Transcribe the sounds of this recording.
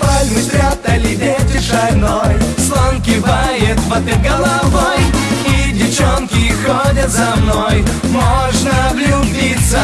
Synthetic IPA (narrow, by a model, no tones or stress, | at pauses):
palʲmɨt̪ɾʲat̪ɐlʲɪdʲetʲɪʂɐjnojslˠonkʲɪvajɪt̪vɐt̪ʲɪɡəlˠavojidʲɪft͡ɕonkʲɪxodʲɐt̪zɐmnoj | moʐnəvlʲʊbʲit̪sə